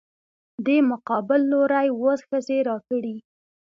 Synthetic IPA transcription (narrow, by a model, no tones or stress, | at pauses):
d̪emʊqɑbɪlːoɾajwosxəzeɾɑkəɽi